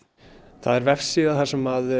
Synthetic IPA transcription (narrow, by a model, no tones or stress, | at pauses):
θaðɛɾvɛfsiːðaθasɛmað